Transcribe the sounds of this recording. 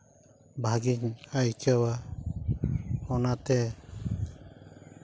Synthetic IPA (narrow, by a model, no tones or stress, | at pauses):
bʱaɡiŋajkawa | hɔnat̪ɛ